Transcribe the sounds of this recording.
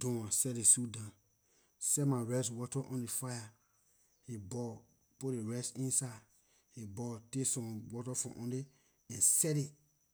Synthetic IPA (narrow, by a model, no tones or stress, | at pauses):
dõwãsɛdesudã | sɛmaɹɛswɔtɔʔɔ̃ndefaja | hibɔ | pudeɹɛsĩnsad | hibɔtesɔ̃mwɔtɔfɔ̰̃ʔɔ̃nde | ɛ̃nsɛɾi